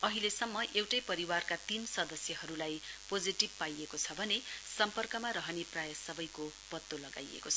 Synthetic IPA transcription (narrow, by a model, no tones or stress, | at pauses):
ʌɦilesʌmːʌʔewʈʌjpʌɾiwarkat̪insʌd̪ʌsjʌɦʌɾulajpod͡ziʈib̚pajekot͡sʰʌbʱʌnesʌmpʌrkʌmaɾʌɦʌneprajʌsʌbʌjkopʌt̪ːolʌɡa̰jḛkot͡sʰʌ